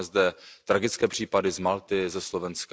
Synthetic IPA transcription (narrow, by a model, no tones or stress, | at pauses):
ɛzdɛt̪ɾaɡɪt͡skɛːpr̝̥iːpadɪzmalt̪ɪzɛslo̞vɛnsk